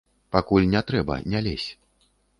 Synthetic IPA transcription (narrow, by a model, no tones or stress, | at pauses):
pakulʲnʲɛt̪ɾɛbɐ̰nʲalʲesʲ